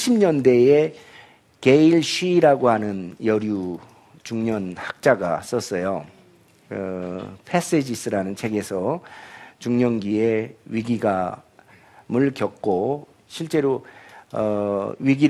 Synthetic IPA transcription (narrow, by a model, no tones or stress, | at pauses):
ɕʰimɲʌnde̞e | keiɭɕʰiːɾaɡohanɯnjʌɾju | t͡ɕuŋɲʌnhak̚t͡ɕ͈aɡa̰s͈ʌs͈ʌjo | pʰes͈ed͡ʑis͈ɯɾanɯnt͡ɕʰe̞ɡe̞sʰʌ | t͡ɕuŋɲʌŋɡie̞ɥiɡiɡa | mɯɭkjʌk̚k͈o | ɕʰiɭt͡ɕ͈e̞ɾoʌɥiɡi